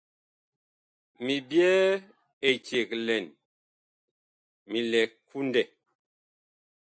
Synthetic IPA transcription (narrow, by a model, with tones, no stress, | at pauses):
mi˨bjɛ˦ | e˨t͡ʃe˨klɛ˨n | mi˨lɛ˨kʰu˦ndɛ˦˨